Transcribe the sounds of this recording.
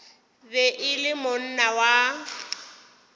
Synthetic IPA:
bɛʔɪlɪmʊn̩nawa

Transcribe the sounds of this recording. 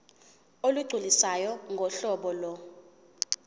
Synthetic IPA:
oluɡ͡ǀʱulisajɔŋɡʱɔɬɔɓɔlɔ

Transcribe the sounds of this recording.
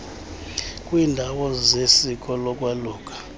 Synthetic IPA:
kʼwiːndʱawɔzesik̬ʼɔlɔk̬ʼwaluːk̬ʰʼḁ

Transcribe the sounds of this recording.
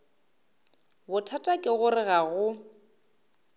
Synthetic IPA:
bʊtʰatʼakʼɪɣʊrɪɣaɣʊ

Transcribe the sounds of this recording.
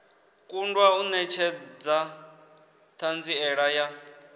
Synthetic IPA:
kʼundwaunɛt͡ʃʰɛd͡za | t̪ʰand͡ziɛɺaja

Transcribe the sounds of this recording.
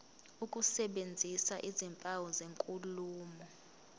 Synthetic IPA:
ukʼusɛɓend͡zʱisaʔizimpʼawɔzeŋkʼuluːmɔ

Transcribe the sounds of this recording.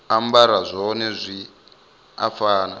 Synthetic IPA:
ambaɾazʷɔnezʷi | a̰faːna

